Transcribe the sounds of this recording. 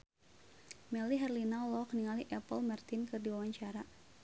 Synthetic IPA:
mɛliɦɛrlinalɔkniŋaliʔɛpəlmart̪inkɨrdiwawaɲt͡ʃaɾa

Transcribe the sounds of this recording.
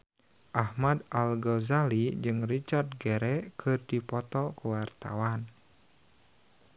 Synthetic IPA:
ʔahmadʔalɡɔzalid͡ʒɨŋrit͡ʃard̚ɡɛɾɛkʰɨrdipɔt̪ɔkuwart̪a̰wan

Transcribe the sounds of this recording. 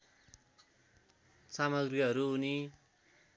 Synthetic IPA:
samʌɡriɦʌɾuɦuni

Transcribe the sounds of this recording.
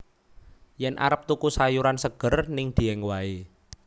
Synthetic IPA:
jɛnʔa̰ɾəp̚t̪ukusajuɾansəɡ̥ə̤rnɪŋd̪̥i̤ɛŋwae

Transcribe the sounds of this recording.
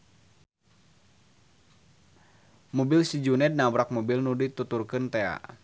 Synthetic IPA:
mɔbilsid͡ʒunɛd̚nabɾak̚mɔbilnudit̪ut̪urkɨnt̪ɛa̰ʔ

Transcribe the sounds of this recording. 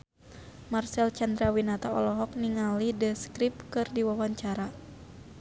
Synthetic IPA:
marsɛlt͡ʃand̪ɾawinat̪aɔlɔɦɔk̚niŋalidəskɾip̚kɨrdiwawaɲt͡ʃaɾa

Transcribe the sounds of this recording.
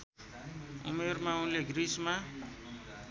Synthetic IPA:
ṵmermaũleɡrisma

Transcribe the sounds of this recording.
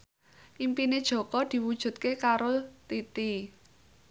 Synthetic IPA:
ʔimpined̥ʒ̥ɔ̤kɔd̪̥i̤wud̥ʒ̥ṳt̪̚kekaɾot̪it̪i

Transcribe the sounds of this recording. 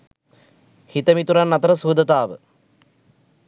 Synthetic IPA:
hit̪əmit̪uɾanːɐt̪ɐɾəsuːd̪ɐt̪aːʋə̰

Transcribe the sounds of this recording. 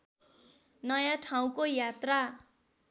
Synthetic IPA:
nʌjãʈʰaw̃kojat̪ra

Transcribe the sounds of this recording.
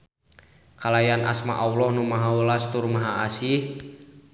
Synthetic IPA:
kalajanʔa̰sma̰ʔawlɔhnumaɦawəlast̪urmaɦaasih

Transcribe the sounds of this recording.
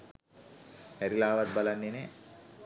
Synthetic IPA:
hɛɾilaːʋɐt̪̚bɐlanːine

